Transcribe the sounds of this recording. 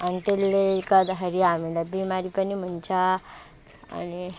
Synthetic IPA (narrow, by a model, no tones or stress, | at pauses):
anit̪elːekad̪ɦəɾiamilabimaɾipənim̤ənt͡ɕa | a̰ni